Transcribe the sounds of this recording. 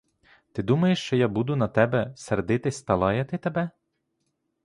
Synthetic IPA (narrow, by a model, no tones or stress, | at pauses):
t̪ɪd̪umɐjɪʃt͡ʃɔjabud̪ʊnɐt̪ʲɛbʲɛsʲɛɾd̪ɪt̪ɪsʲt̪ɐlˠɑjɛt̪ɪt̪ɐbʲɛ